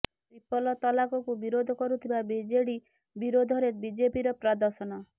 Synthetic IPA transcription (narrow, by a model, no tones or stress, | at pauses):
t̪ɾipɔlɔt̪ɔlakɔkubiɾod̪ʱɔkɔɾut̪ʰibabid͡ʒeɽi | biɾod̪ʱɔɾebid͡ʒepiɾɔpɾad̪ɔɾsɔnɔ